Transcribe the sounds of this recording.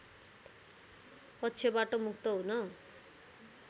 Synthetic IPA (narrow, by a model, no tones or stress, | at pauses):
pʌt̪ːsʰebaʈomukʰt̪ʌɦunʌ